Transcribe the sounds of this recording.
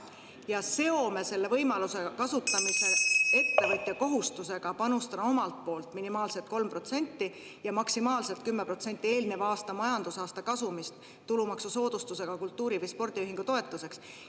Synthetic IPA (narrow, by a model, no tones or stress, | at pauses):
jɑse̞o̞me̞se̞lːe̞vɤjmɑluse̞kɑsut̪ːˑɑmise̞e̞t̪ːe̞vɤt̪ʲjɑko̞ɦust̪use̞ɡ̥ɑpɑnust̪ɑd̪ɑo̞mɑlt̪̚po̞ːlt̪ˑminimɑːlse̞lt̪̚ko̞lmpro̞t̪se̞nʲt̪ːi | jɑmɑksimɑːlse̞lt̪̚kymːe̞pro̞t̪se̞nʲt̪ːˑie̞ːlne̞vɑːst̪ɑmɑjɑnd̪̥usɑːst̪ɑkɑsumist̪ːulumɑksuso̞ːd̪̥ust̪use̞ɡ̥ɑkult̪ˑːuːɾivɯjspo̞rd̪̥iyɦiŋɡ̥ut̪o̞et̪ˑːuse̞ks